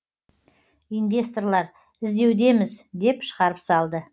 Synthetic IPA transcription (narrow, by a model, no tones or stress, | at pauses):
ijnvʲe̞st̪orlˠɑɾ | ɪzd̪e̞wd̪e̞mɪzd̪e̞pʃə̥ʁɑɾəpsɑlˠd̪ə